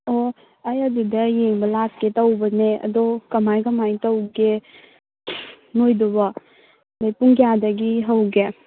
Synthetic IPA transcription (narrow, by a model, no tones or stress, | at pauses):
o | ajadidɐjeŋbɐlak̚ketawbɐneɐ̰dɔkɐmajkɐmajtawɡe | nojdɔba | bajpuŋkjadaɡiɦawɡe